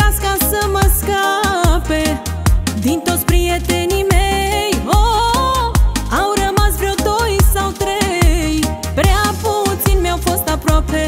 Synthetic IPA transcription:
askasəməskape | d̪int̪ospɾiet̪enimejo | awɾəmazbɾewt̪oisawt̪ɾej | pɾɛaput͡sinmɛwfost̪apɾɔpʰe

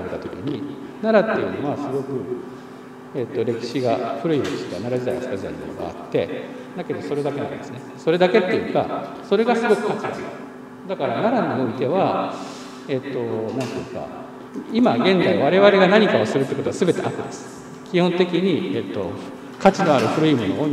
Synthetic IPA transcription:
ɾet̪at̪okʲiɲ̟inaɾat̪ːe̞jɯ̟noβasɨɡo̞kɯ̟ | e̞t̪ːo̞ɾe̞kʲi̥ɕiɡaɸɯ̟ɾɯ̟iɾe̞kʲi̥ɕiɡanaɾad͡ʑid̪aiasɨ̥kad͡ʑid̪aimo̞̰no̞ɡa̰a̰t̪ːe̞̰ | d̪ake̞d̪o̞so̞ɾe̞d̪ake̞nã̰id̪esɨneso̞ɾe̞d̪ake̞t̪ːejiɯ̟ka̰ | so̞ɾe̞ɡasɨɡo̞kɯ̟̥kat͡ɕid̪a | d̪akaɾanaɾaɲ̟io̞it̪e̞βa | e̞t̪ːo̞nãnt̪ejɯ̟ka̰ | imaɡẽ̞nd͡zaiβaɾe̞βaɾe̞ɡanaɲ̟ikaosɨɾɯ̟t̪ːeko̞t̪oasɨbe̞t̪e̞ʔakɯ̟d̪esɨ̥ | kʲihõnt̪e̞kʲiɲ̟iet̪ːo̞ | kat͡ɕino̞aɾɯ̟ɸɯ̟ɾɯ̟imo̞noo

